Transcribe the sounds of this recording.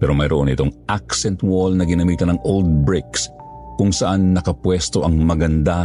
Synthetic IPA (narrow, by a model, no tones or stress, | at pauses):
pɛːɾo̞mɐjɾoʔo̰nɪ̰t̪o̞ŋʔaksɛnt̪wolnɐɡɪnɐmiːt̪ɐnɐŋʔold̪̚bɹɪks | kʊŋsɐʔanːɐkɐpwɛst̪o̞ʔɐŋmɐɡɐnd̪a